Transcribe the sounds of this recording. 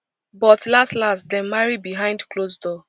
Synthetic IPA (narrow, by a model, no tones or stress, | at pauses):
bɔtlastlastdɛ̃nmaɹibiɦãɪ̃ndklozdɔ